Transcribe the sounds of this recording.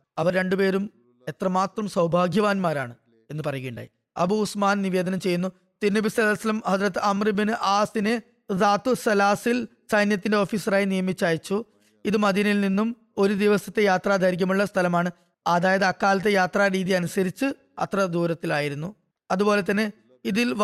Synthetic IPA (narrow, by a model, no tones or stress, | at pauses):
ɐʋɐrɾe̞ɳɖupe̞ːɾum | e̞t̪rɐmaːt̪rɐmsɐwbʱaːɡʱjɐʋaːnmaːɾa̰ːɳɨ | e̞nːɨpɐrɐjukeːɳɖa̰ːji | ɐ̰buːsmaːnniʋe̞ːd̪ɐnɐmt͡ɕe̞jːunːu | t̪inːɐbisɐɣɐlsɐlɐmhɐd͡zrɐt̪ːɨɐmribinɨʔaːsine | zaːt̪ːusɐlaːsil | sɐjnjɐt̪ːinde̞o̞ːfiːsɐraːjinijɐmit͡ɕːaːjit͡ɕːu | iðɨmɐðinilninːum | o̞ɾud̪iʋɐsɐt̪ːe̞jaːt̪raːd̪ʱaːɾik̬ʲːɐmuɭːɐst̪ʰɐlɐmaːɳɨ | ɐðaːjɐðɨɐkːaːlɐt̪̬ːe̞jaːt̪raːɾiːðiɐnusɐɾit͡ɕːɨ | ɐ̰t̪rɐd̪uːɾɐt̪ːilaːjiɾunːu | ɐðubo̞ːle̞t̪̬ːɐnːe | iðil